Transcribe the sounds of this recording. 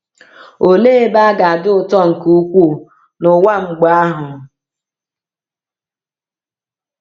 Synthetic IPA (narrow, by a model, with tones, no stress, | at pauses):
o˨le˦e˦ba˦ɡa˨a˨dʊ˦ʊ˦tɔ˦ŋ̩˨ku˦kʷu˦ | nʊ˨wa˦ŋ͡m̩˦ɡ͡ba˨a˦ɦʊ˨